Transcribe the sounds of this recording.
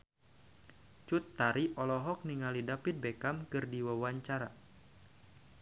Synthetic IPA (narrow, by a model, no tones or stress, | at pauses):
t͡ʃut̪ːaɾiʔɔlɔɦɔk̚niŋalidapit̪̚bekamkɨrdiwawaɲt͡ʃaɾa